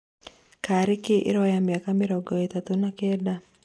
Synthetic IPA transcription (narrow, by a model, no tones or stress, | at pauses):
kaɾɪkɪʔɪ̰ɾɔjamjakamɪɾɔɡɔɛt̪at̪unakɛda